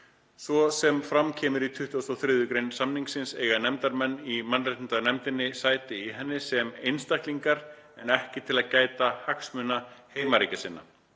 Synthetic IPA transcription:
svɔsɛmfɾamcʰɛːmʏɾit̪ʰʏht̪uasowθɾɪðʏkɾejnsamniŋksɪnseːjɣanɛmt̪aɾmɛnːimanɾajt̪int̪anɛmt̪ɪnːɪsaːjt̪ɪiɦɛnːɪsɛmejnst̪ahk̪liŋkaɾ | ɛnɛhcɪt̪ʰɪlaðcaːjt̪ahaksmʏnaheːjmaɾiːcasɪnːa

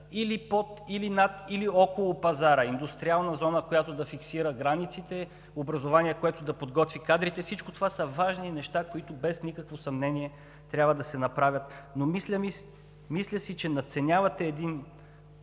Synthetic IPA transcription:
ilipot̪ilinat̪iliɔkolˠopɐzaɾəind̪ust̪ɾialˠnɐzɔnəkojat̪od̪ɐfiksiɾəɡɾanit̪sit̪ɛ | obɾɐzovaniɛkoɛt̪ʊd̪ɐpod̪ɡɔt̪vikad̪ɾit̪ɛfsit͡ʃkot̪ovasəvaʒninɛʃt̪akoit̪ʊbɛsnikəkvosɐmnɛniɛ | t̪ɾʲabvəd̪ɐsɛnɐpɾavʲət̪nomislʲəmis | mislʲəsit͡ʃɛnɐt̪sɛnʲavɐt̪ɛːd̪in

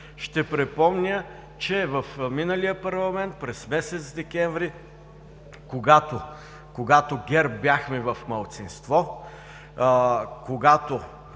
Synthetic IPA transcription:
ʃt̪ɛpɾɛpɔmnʲə | t͡ʃɛvəfminəlijəpɐɾlˠɐmɛnt̪̚pɾɛsmɛsɛt̪sd̪ɛkʲɛɱvɾi | koɡat̪o | koɡat̪oɡʲɛɾbʲjaxmɛvɐfmɐlˠt̪sinst̪vɔ | koɡat̪o

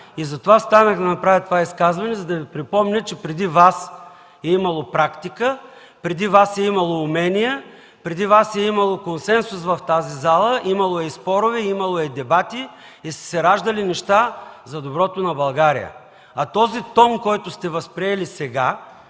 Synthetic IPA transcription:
izɐt̪ovast̪anəxd̪ɐnɐpɾavʲət̪ovaiskazvɐnɛzɐd̪ɐvipɾipɔmnʲət͡ʃɛpɾɛd̪ivas | ɛimɐlˠopɾakt̪ikə | pɾɛd̪ivasɛimɐlˠoːmɛnijə | pɾɛd̪ivasɛimɐlˠokonsɛnsʊs̬vɐft̪azizalˠəʔimɐlˠoɛspɔɾʊvɛimɐlˠoɛd̪ɛbat̪iː | st̪ɛ̥sɛɾaʒd̪ɐlinɛʃt̪azɐd̪obɾɔt̪onɐbɐlˠɡaɾḭjə̰ | ɐt̪ɔzit̪ɔmkɔjt̪ʊst̪ɛvɐspɾiɛlisɛɡa

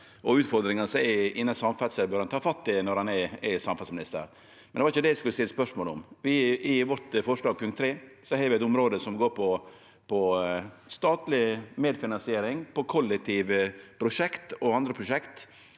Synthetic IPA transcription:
ʔɔʉːt̪fɔɾd̪ɾɪŋɑnəsɔɛɪnːɑnsɑmfɑt̪səbœːɾɑnt̪ʰɑːfɑt̪ːɪnɔɾhɑnɛɛsɑmfɑt̪smɪnɪst̪ə̰ɾ | mmɛnd̪ɛʋɑɾɪçəd̪ɛɪskʉlːəstɪlːəspœʂmoːləɔ̰mʋɪɪʋɔʈ̪fɔʂɭɑːɡ̚pʰʉŋkt̪ːʰɾeːsɔhɛːɾʋɪɛɪt̪ʊmɾoːd̪əsɔmɡoːɾpʰɔ | pʰɔ | st̪ɑːt̪lɪmeːd̪fɪnɑnsɪeːɾɪŋpɔkʰɔlːɛk̚t̪ʰiːʋəpʰɾʊʂɛkt̪ɔɑnd̪ɾəpʰɾʊʂɛkt̪

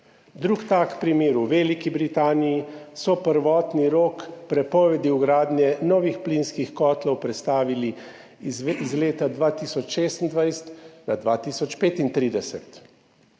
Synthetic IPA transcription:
d̪ɾukt̪aːkpɾimeːɾuʋeːlikibɾit̪aːnijisɔpəɾʋɔːt̪niɾoːkpɾɛpɔːʋɛd̪iwɡɾaːd̪nʲjɛnɔːʋixplinskixkɔːt̪lɔwpɾɛt̪st̪aːʋili | zizleːt̪ad̪ʋaːt̪iːsɔt͡ʃʃeːst̪ənd̪ʋajst̪nad̪ʋaːt̪isɔt͡ʃpeːt̪int̪ɾiːd̪ɛsɛt̪

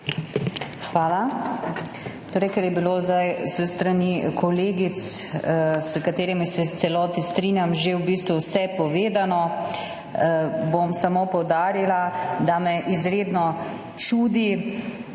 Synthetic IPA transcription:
xʋaːla | t̪oːɾɛjkɛɾjɛbilozd̪ajsəst̪ɾanikɔleːɡit̪s | səkat̪eːɾimisɛt̪sɛlɔːt̪ist̪ɾinjamʒewbiːst̪ʋuwsɛpɔʋeːd̪anɔ | bomsamoːpɔwd̪aːɾilad̪amɛʔizɾeːd̪nɔ | t͡ʃuːd̪i

